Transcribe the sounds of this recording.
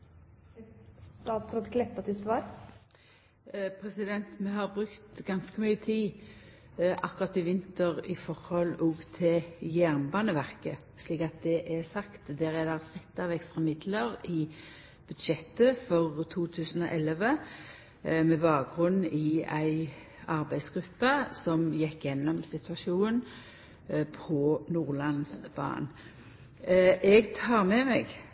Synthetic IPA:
st̪ɑːt̪sɾɔt̪kʰlɛpːət̪ʰɪsʋɑːɾ | pʰʁɛsɪd̪ɛnt̪mɛɦɑʁbʁʉkt̪ɡɑnskəmyːət̪ʰiː | ʔɑkʊʁɑt̪ɪʋɪnt̪əʁɪfɔʁhɔlɔːɡt̪ʰɪjæʁnbɑːnəʋæʁkə | ʃliːkɑt̪̚d̪ɛʔæsɑkt̪d̪ɛʁæd̪ɑʁsɛt̪ːɑʋɛkst̪ʁɑmɪd̪ləʁɪ | b̥ʉd̪ʃɛt̪ːəfɔʁt̪ʰuːt̪ʰʉːsən̩ɔ̰ʔɛlʋə | mɛbɑːk̚ɡʁʉnːɪæɪ | ɑʁbæɪsɡ̥ʁʉpːəsɔmjɛkːjɛnːɔmsɪt̪ʉɑʃuːn | pʰɔnuːʁlɑnsb̥ɑ̰ːn | ʔɛɡt̪ʰɑːʁmɛmɛ̰ɡ

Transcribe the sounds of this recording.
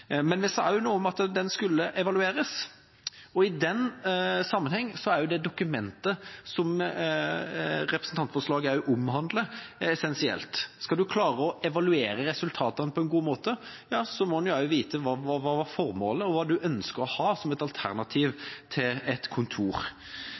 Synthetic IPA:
mɛnʋɪsd̪ɛæɾjʊnuːɔmɑt̪d̪ɛnskʉlːəʔɛʋɑlʉeːɾəs | ɔɪd̪ɛnːsɑmːənhɛŋːsɔæɾjʊd̪ɛd̪ʊkʉmɛnt̪əsɔm | ɾɛpɾəsn̩t̪ɑnt̪fɔʂlɑːɡəæɾjʊʔʊmhɑnd̪ləɛsɛnsɪɛ̰lt̪skɑld̪ʉkʰlɑːɾəɔɛʋɑlʉeːɾəɾɛsʉlt̪ʰɑːt̪ɑnəpʰɔɛnɡuːmoːt̪ə | jɑːsɔmɔnjæʊʋiːt̪əʋɑʋɑːʋɑɾfɔɾmo̰ːləɔʋɑːd̪ʉʔœnskəɾɔhɑːsɔmɛt̪ɑlt̪ʰæ̰ɾnɑt̪ʰiːʋt̪ʰɪlɛt̪kʰʊnt̪ʰuːɾ

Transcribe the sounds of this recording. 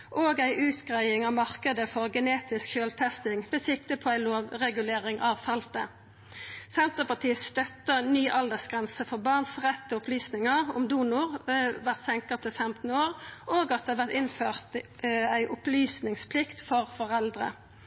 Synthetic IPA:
ʔoːɡæɪʔʉːt̪ɡʁæɪɪŋɑʋmɑʁkəd̪əfɔʁɡɛneːt̪ɪskʃøːlt̪ʰɛst̪ɪŋʋɛsɪkt̪əpʰɔːæɪloːʋʁɛɡʉleːʁɪŋʔɑʋfɑlt̪ə | sɛnt̪əʁpɑt̪ʰiːəst̪œt̪ːənyːʔɑld̪əsɡʁɛnsəfɔʁbɑʁnsʁɛt̪ːɔʊplyːsnɪŋəʊ̰md̪uːnʊʁʋæʁt̪sɛŋkət̪ʰɪlfɛmt̪n̩oːʁoːɡɑt̪̚eɑʋæʁt̪ɪnføːʁt̪æɪʔʊplyːsnɪŋspʰlɪkt̪fɔʁfɔʁɛld̪ʁə̰

